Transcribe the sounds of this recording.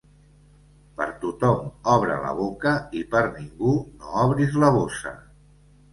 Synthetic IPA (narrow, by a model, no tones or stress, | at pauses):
pə̰ɾt̪ut̪ɔmɔβɾə̰lə̰β̞okəipəɾniŋɡunoɔβɾizləβ̞osə̰